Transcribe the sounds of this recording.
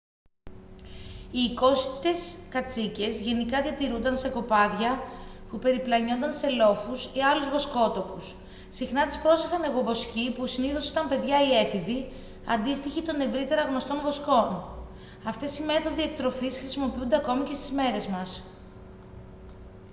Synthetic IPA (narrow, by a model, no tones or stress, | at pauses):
iːko̞sit̪e̞skɐt͡sice̞zʝe̞nikɐðiɐt̪iɾund̪ɐnse̞ko̞pɐðʝɐpupe̞ɾiplɐɲo̞nd̪ɐnse̞lo̞fusiɐluzvo̞sko̞t̪o̞pus | sixnɐt̪i̥spɾo̞sexɐne̞ɣo̞vo̞scipusiniθo̞sit̪ɐmpe̞ðʝɐie̞fiði | ɐ̰nd̪ist̪içit̪o̞ne̞vɾit̪e̞ɾɐɣno̞st̪o̞ɱvo̞sko̞n | ɐft̪e̞sime̞θo̞ðiek̚t̪ɾo̞fisxɾi̥simo̞piund̪e̞ɐko̞mice̞st̪izme̞ɾe̞zmɐs